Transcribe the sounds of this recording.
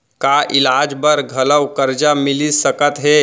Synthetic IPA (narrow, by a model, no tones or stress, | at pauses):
kaʔilad͡ʒbəɾɡʱələwkəɾd͡ʒamilisəkət̪ɦe